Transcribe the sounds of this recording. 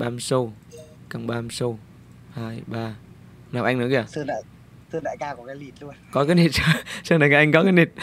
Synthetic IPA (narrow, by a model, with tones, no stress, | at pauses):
ɓaː˧˩msə˧w | ka˨˩ŋ͡mɓaː˧msə˧w | haː˧˩jɓaː˧ | naː˨˩wʔa˧jŋnɨ˨˦ɣi˧˨a˨˩sɨ˧ɗa̰ː˧˨j | sɨ˧ɗa̰ː˧˨jkaː˧ku˧˩kaː˨˦jli˨˩t̚lu˧ənkɔ˨˦kaː˨˦jni˨˩t̚sə˧sɨ˧na˨ka˨˧˩ʔa˧ŋkɔ˨˦kaː˨˦jɗi˨˩t̚